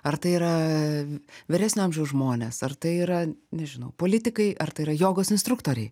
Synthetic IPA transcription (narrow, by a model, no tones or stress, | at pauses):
ɐɾt̪ɐɪiːɾɐ | ʋʲɪɾʲæːsʲnʲʊɐmʲʒʲɛʊsʒmoːnʲeːsɐrt̪ɐɪiːɾɐnʲɛʒʲɪnɐʊpoːlʲɪt̪ʲɪkɐɪʔɐrt̪ɐɪiɾɐjoːɡoːsɪnst̪ɾʊk̚t̪oːɾʲɛɪ